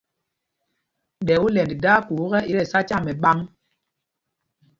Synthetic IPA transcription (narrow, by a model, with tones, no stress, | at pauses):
ɗɛ˨u˦lɛ˨ndda˦ku˨˦ɣɛ˦ʔi˦ɾɛ˦˨sa˦t͡ʃa˦˨mɛ˨ɓa˦ŋ